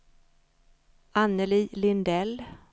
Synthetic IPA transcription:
ʔanːəliːlɪnd̪ɛl

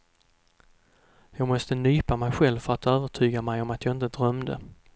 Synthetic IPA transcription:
jɑːɡmɔst̪ənyːpamɛjɧɛlvfœɾat̪øːvəʈʰyːɡamɛjɔmat̪jɑɡɪnt̪əd̪ɾœmd̪ə̰

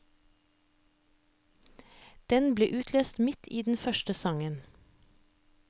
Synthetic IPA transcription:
d̪̥ɛnblḛːʔʉːt̪ʰløːst̪mɪt̪ʰiːd̪n̩fœʃtəsɑŋən

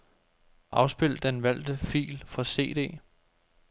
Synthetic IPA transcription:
ʔɑ̈ʊsb̥e̝l̰d̥d̥enʋæl̰d̥əfḭːlfɒse̝̰ːd̥e̝̰ː

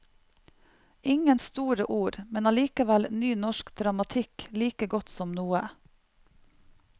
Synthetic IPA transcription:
ʔɪŋənst̪uːɾəʔuːɾmɛnɑːliːkəʋælnyːnɔʃkd̪ɾɑmɑt̪ʰɪkliːkəɡɔt̪sɔmnuːə

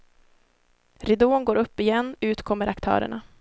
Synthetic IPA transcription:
ɾɪd̪oːnɡoːɾɵpːɪjɛnːʉ̟ːt̪kʰɔmːəɾʔakt̪ʰœ̰ːɾə̰ɳa

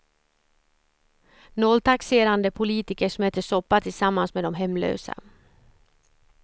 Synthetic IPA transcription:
nɔːlt̪ʰakseːɾand̪əpʰʊliːt̪ɪkəʂɔmeːt̪ːəʂɔpːat̪ʰɪlsamːansmeːd̪ɔmɦɛmːlø̰ːsa̰

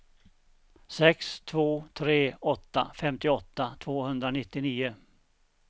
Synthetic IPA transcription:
sɛkst̪ʰvoːt̪ʰɾeːɔt̪ːa̰fɛmt̪ɪɔt̪ːat̪ʰvoːhɵnd̪ɾanɪt̪ːɪniːʊ

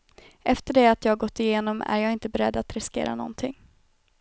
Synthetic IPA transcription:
ʔɛft̪əɖɛat̪jɑːhaɡɔt̪ːɪjeːnɔmæ̰ɾjɑːɡɪnt̪əbɛɾɛd̪ːat̪ɾɪskḛːɾa̰nɔ̰nt̪ʰɪŋː

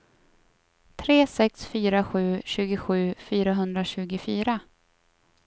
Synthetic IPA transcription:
t̪ʰɾeːsɛksfyːɾaɧʉ̟ːɕʉ̟ːɡʊɧʉ̟ːfyːɾaɦɵnd̪ɾaɕʉ̟ːɡʊfyːɾa

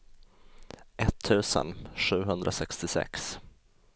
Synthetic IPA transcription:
ʔɛt̪ʰːʉ̟ːsə̰nɧʉ̟ːɦɵnd̪ɾʔasɛkst̪ɪsɛ̰ks

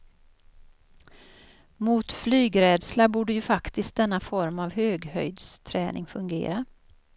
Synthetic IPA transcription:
muːt̪flyːɡɾɛːd̪slabuːɖəjɵfakt̪ɪst̪̚d̪ɛnːafɔɾmavhøːɡhœ̰jd̪st̪ʰɾɛːnʔɪŋfɵŋɡḛːɾa

